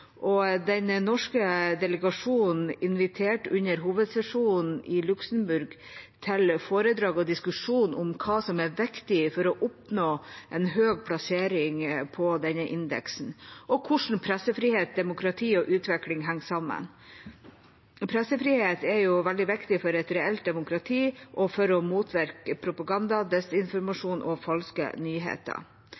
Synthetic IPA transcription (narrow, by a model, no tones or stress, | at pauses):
ʔɔd̪ɛnnɔʂkəd̪ɛləɡɑʂuːnn̩ɪnʋɪt̪ʰeːʈʉɲːəɾɦuːʋəd̪sɛʂuːnn̩ɪlʉksənm̩bʉɾɡt̪ʰɪlfoːɾəd̪ɾɑːɡɔd̪ɪskʉʂuːnʔʊmkʰɑːsɔmɛɾʋɪkt̪ɪfɔɾɔʔʊpnoːʔɛnɦøːɡ̚pʰlɑseːɾɪŋpʰɔd̪ɛnːəʔɪnd̪ɛ̰ksn̩ʔɔkʰʊʂn̩pʰɾɛsːəfɾiːheːt̪̚d̪ɛmʊkɾɑt̪ʰiːɔʔʉːt̪ʰʋɛklɪŋɦæŋsɑmːə̰n | pʰɾɛsəfɾiːheːt̪ɛɾjʊʋɛld̪ɪʋɪkt̪ɪfɔɾɛt̪ɾɛɛlt̪̚d̪ɛmʊkɾɑt̪ʰiːʔɔfɔɾɔmuːt̪ʰʋæɾkəpʰɾʊpɑɡɑnd̪ɑd̪ɛsɪnfɔɾmɑʂuːnʔɔfɑlskə̰nyːɦḛːt̪ə̰